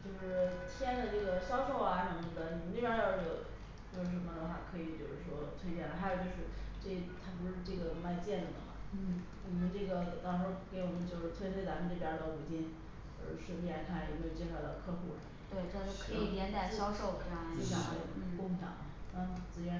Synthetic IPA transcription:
t͡ɕjo˥˧ʊʂɻ̩˥˩t̪ʰjɛ˥nd̪ə˨ʈ͡ʂɤ˥˩ɡə˩ɕjɑ˥ʊʂo˥˩ʊa˨˩nə˧˥mə˧d̪ə˧ni˨˩mə˦nli˥˩pʲja˥j̪o˥˧˩ʊʈ͡ʂɤ˥˩ | t͡ɕjo˥˧ʊʂɻ̩˥˩ʂə˧˥mə˧lə˧˥xa̰˨˩kʰɤ˧˥i˨˧˩t͡ɕjo˥˧˩ʊʂɻ̩˥˩ʂwɔ˥t̪ʰwe˥ɪt͡ɕjɛ˥˩nlə˨˩xa˧˥ɪjo˨˩t͡ɕjʊʂɻ̩˥˧ʈ͡ʂe˥˩t̪ʰa˥p̬u˧˥ʂɻ̩˥˧ʈ͡ʂɤ˥˩ɡə˩˧˥ma˥˧ɪt͡ɕjɛ˥˩nlə˥˩d̪ə̰˩mɐ̰˩˥˩ | wɔ˨˩mə˦nʈ͡ʂɤ˥˩ɡə˩˨˩t̪ɑ˥ŋʂ̩˧˥ke˧˥ɪwɔ˨˩mə˦nt͡ɕjo˥˧ʊʂɻ̩˥˩t̪ʰwe˥ɪt̪ʰwɪt͡sa˧˥mə˧nʈ͡ʂɤ˥˩pjɐ˧˥d̪ə˧˩u˨˩t͡ɕi˥n | ə̰˞˧˥˩ʂə˥ŋi˥˩la˧˥kʰa˥˩n˨˩˧me˥jo˨˩t͡ɕjɛ˥ʂɑ˧˩˥t̪ɑ˥˧˩kʰɤ˥˧xu˥˩l̰t̪we˥˩ɪ˥˧o˥kʰɤ˧˥i˨˩t̪jɛ˧˥nt̪a˨˩ɕjɑ˥ʊʂo˥˩ʊkjɑ˥˩˧i˥˧ɕjɑ˥e˥˩˧kʊ˥˩ŋɕʰɑ̰˨˩˦ŋ˧˩a˥˩t͡sɹ̩˧˩ɥɛ˧˥

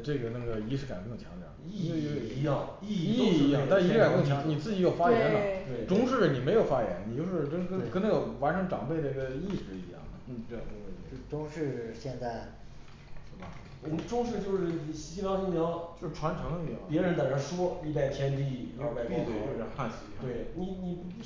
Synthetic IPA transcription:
ʈ͡ʂɤ˥˩ɡə˩na˥˩ɡə˩i˧˥ʂɻ̩˥˩ka˨˩ə˧˥kɤ˥˩ŋt͡ɕʰjɑ̰˧˥ŋd̪ə̰˧˥˩i˥˧˥jɑ˥˩ŋ˥˧i˥˧˥jŋt̪a˥˩˧ɻ̩˥˨˩kɤ˥ŋ˩t͡ɕʰjɑ˧˥ŋni˨˩t͡sɹ̩˥˩t͡ɕi˧˥jo˨˩ʊfa˥jɛ˧˥nlə˧t̪we˥˩ɪʈ͡ʂʊ˥ŋʂɻ̩˥˩ni˨˩me˧˥ɪjo˨˩ʊfa˥jɛ˧˥nni˨˩t͡ɕo˥˧ʊʂɻ̩˥˩kə˥kə˥n˧kna˥˩ə˩wa˧˥nʈ͡ʂʰɤ˧˥ŋʈ͡ʂɑ̰˨˩ŋpe˥˩ɪɾə˩i˥ɡə˧i˥˩ʂɻ̩˥˩ḭ˧˥jɑ̰˥˩ŋmə˩˥˩ʈ͡ʂʊ˥ŋʂɻ̩˥˧ɕjɛ˥˧nt͡sa˥˩ɪ | ʂ̩˥˩bɐ˩ | wɔ˨˩m˦ʈ͡ʂʊ˥ŋʂɻ̩˥˧t͡ɕjo˥˧ʊʂɻ̩˥˩ɕi˥mjɑ˧˥ʊi˥˩mjɑ˧˥ʊt͡ɕjo˥˧ʊʂɻ̩˥˩ʈ͡ʂʰwa˧˥nʈ͡ʂʰɤ˧˥ŋə˧i˧˥jɑ̰˥˩ŋpjɛ˧˥ɻə˧˥nt̪a˨˩ɻə˧˥ʂwɔ˥i˥˧pa˥˩ɪt̪ʰjɛ˥nt̪̬i˥˧˥a˥˧pa˥˧ɪ˥˧to˥˧˩xa˥˩nɕi˧˥twe˥˩ɪni˨˩ni˨˩

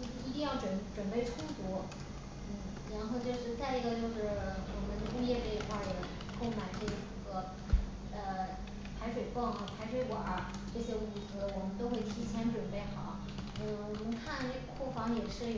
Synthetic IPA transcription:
i˧˥t̪i˥˧ŋjɑ˥˩ʊʈ͡ʂwə˨˩nʈ͡ʂwə˨˩npe˥˩ɪʈ͡ʂʰʊ˥ŋt͡sɔ˧˥ | n̩˥˩ɻa˧˥nxo˥˧ʊt͡ɕjo˥˧ʊʂɻ̩˥˧t͡sa˥˩ɪi˧˥ɡə˧t͡ɕjo˥˧ʊʂɻ̩˥˩wɔ˨˩mə˦nd̪ə˧ʔu˥˧jɛ˥˧te˥˧˩xa˥˩jə˨˩ | kʰo˥˩ma˨˩ɪʈ͡ʂɤ˥˩˧ɡə˩ | ə˧ | pʰa˧˥ɪʂwe˨˩ɪpɑ˥˩ŋxa˨˩pʰa˧˥ɪʂwe˧˥ɪkwɔ˨˩ə˩ | ʈ͡ʂɤ˥˩ɕjɛ˥u˨˩t͡s̩˧˥˧wɔ˨˩mə˦nt̪o˥ʊxwe˥˩ɪt̪ʰi˧˥t͡ɕʰjɛ˧˥nʈ͡ʂwə˨˩npe˥˩ɪxɑ˨˩˦ʊ | n̩˥˩wɔ˨˩mə˧˥ŋkʰa˥˩nʈ͡ʂe˥˧˩ɡə˩kʰwɔ˥˩fɑ˧˥ŋ˩jɛ˨˩ʂɻ̩˥˩˨

